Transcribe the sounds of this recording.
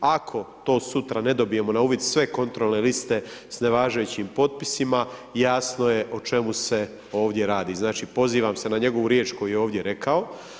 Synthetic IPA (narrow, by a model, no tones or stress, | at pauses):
akʰo̞t̪o̞ːsut̪ɾane̞d̪o̞bije̞mo̞nauːʋjid̪sʋe̞ko̞nt̪ɾo̞lˠne̞list̪e̞sne̞ʋaːʒajut͡ɕimpo̞t̪̚pisimajaːsno̞je̞ʔot͡ʃe̞muse̞ | o̞ːʋd̪je̞ɾaːd̪iːznaːt͡ʃipo̞ziːʋamse̞naɲe̞ɡo̞ʋuɾjeːt͡ʃko̞jujeo̞ːʋd̪je̞ɾe̞kʰao̞